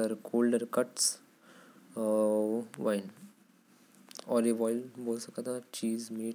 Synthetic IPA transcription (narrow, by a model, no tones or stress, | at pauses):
ɐɾkʰoːlɖɐɾkɐʈs | ʋaɪn | ɔːɾeʋɔːjlboːlsɐkɐt̪at͡ʃiːzmeːʈ